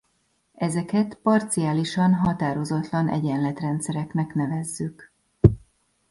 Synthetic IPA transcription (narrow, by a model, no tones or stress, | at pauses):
ɛzɛkɛt̪pɒrt̪sijaːliʃɒnɦɒt̪aːɾo̞zɒt̪lɒnʔɛ̰ɟɛnlɛt̪rɛnt̪sɛɾɛknɛknɛvɛzːyk